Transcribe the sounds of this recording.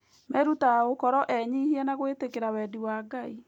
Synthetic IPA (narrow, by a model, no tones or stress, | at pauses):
mɛɾutaokɔɾɔʔɛɲihiɛnaɣoetekeɾawɛdiwaːɡai